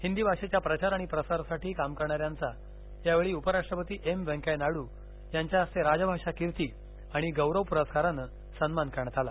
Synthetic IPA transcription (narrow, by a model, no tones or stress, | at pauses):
hind̪iːbʱaʂet͡ɕjapɾət͡ɕaɾaɽ̃ipɾəsaɾsaʈʰiːkamkəɾɳaɾjant͡sa | jaʋeɭiːupəɾaʂʈɾəpət̪iːʔemʋɛ̃ŋkajnaɽuː | jaɲt͡ɕjaəst̪eɾad͡zəbʱaʂakiɾt̪iː | aɽ̃iɡəwɾəʋpuɾəskaɾənə | sənmankəɾɳət̪ala